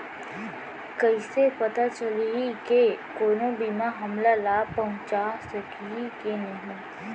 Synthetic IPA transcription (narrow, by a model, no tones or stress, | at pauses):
kɐisepɐt̪at͡ʃɐliikekoːnobimaɦɐmlalaːpɐɦʊ̃t͡ʃasɐkikenɐɦĩː